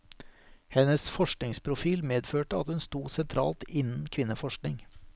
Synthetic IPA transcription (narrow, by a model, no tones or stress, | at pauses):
hɛnəsfɔʂknɪŋspʰɾʊfiːlmeːd̪føːʈəɑt̪hʉnst̪uːsɛnt̪ʰɾɑ̰ːlt̪ɪnn̩kʰʋɪnəfɔʂknɪŋ